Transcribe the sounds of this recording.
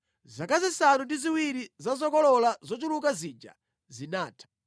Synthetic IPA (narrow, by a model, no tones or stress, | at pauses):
zakazisanundiziwiɾizazɔkɔlɔlazɔt͡ʃulukazid͡ʒa̰ | zinaːtʰḁ